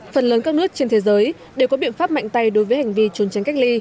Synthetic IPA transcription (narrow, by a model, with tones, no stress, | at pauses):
fə˨˩nləː˨˦nkaː˦˥k̚nɨ˦˥ək̚t͡ɕe˧nt̪ʰe˨˦zəː˨˦j | ɗe˨˩wkɔ˨˦ɓḭ˧˨ənfaː˦˥p̚ma̰˧˨jŋ̟t̪a˧jɗo˨˦jvəː˨˦jha˨˩jŋ̟vi˧t͡ɕu˨˦nt͡ɕa˨˦ŋka˦˥jk̚li˧